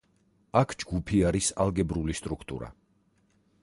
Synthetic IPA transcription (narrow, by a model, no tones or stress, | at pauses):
akʰd͡ʒɡupʰiaɾisalˠɡɛbɾulist̪ʼɾukʰt̪ʼṵɾa̰